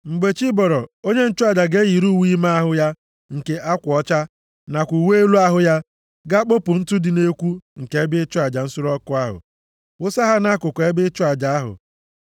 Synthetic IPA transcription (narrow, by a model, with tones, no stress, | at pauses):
ŋ͡m̩˨ɡ͡be˨t͡ʃi˦bɔ˨ɾɔ˨o˦ɲe˦n̩˦t͡ʃʊ˦a˨d͡ʒa˨ɡe˦ji˨ɾu˦˨wi˦ma˦a˦ɦʊ˦ja˦ | ŋ̩˨ke˨ʔa˦kʷɔ˦t͡ʃa˦ | na˨kʷu˨we˦e˦lu˦a˦ɦʊ˦ja˦ | ɡa˦k͡po˦pʊ˨n̩˦tʊ˦dɪ˨ne˦kʷu˦ŋ̩˨ke˨e˦bɪ˦t͡ʃʊ˦a˨d͡ʒa˨n̩˦sʊ˦ɾɔ˦kʊ˦a˦ɦʊ̰˨ | wʊ˦sa˦ɦa˦na˦kʊ˨kʷe˦bɪ˦t͡ʃʊ˦a˨d͡ʒa˨a˦ɦʊ̰˨